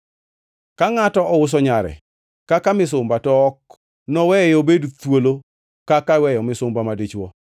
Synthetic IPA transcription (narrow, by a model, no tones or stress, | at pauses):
kaŋatɔʔɔwʊs̬ɔɲaɾɛ̰ | kakamɪs̬ʊmbatɔːk | nɔwɛjobedutwolo | kakawɛjɔmɪsʊmbamadet͡ʃwɔ